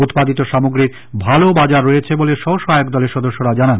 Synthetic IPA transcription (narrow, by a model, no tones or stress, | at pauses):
ut̪pad̪it̪oʃamoɡɾiɾ | bʱalobad͡ʑaɾːojet͡ɕʰeboleʃɔɦoʃɔɦajok̚d̪ɔleɾʃɔd̪oʃːoɾad͡ʑanan